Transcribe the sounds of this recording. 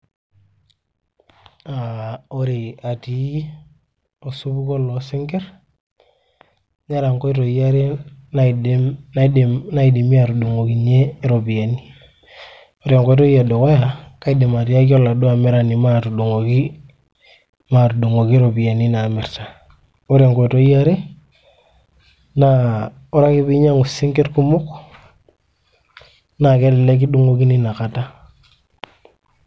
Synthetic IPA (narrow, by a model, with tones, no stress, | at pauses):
ao˦ɾe˨a˨ti˨˦ | o˨su˦bu˦ko˦lo˨si˦ŋke˦ɾ | ɲa˦ɾa˨ŋko˦i˦to˨ia˦ɾe˦nana˦dna˦i˨de˨mi˦a˨ɾu˨du˨ŋo˨ki˨ɲe˦ɾo˨bi˨ja˨ni˦ | o˦ɾia˨ŋko˦i˦to˦ija˨do˨ko˦ja˨ka˦i˦de˨ma˨ti˦a˦ko˦la˨do˦a˨me˦ɾa˨ni˨ma˦tu˨ɗu˨ŋo˨ki˦ | ma˨tu˨ɗu˨ŋo˨ki˦ɾo˨pi˨a˨ni˦na˨me˨rta˨ | o˦ɾe˨ŋko˨to˦i˦a˦ɾe˦ | na˦ | o˦ɾa˦ki˦pi˦ɲa˦ŋu˨si˦ŋke˦tku˦mu˦k | na˨ke˦lɛ˨le˦k̬i˦ɗu˦ŋo˦ki˦ni˦na˨ka˨ta˦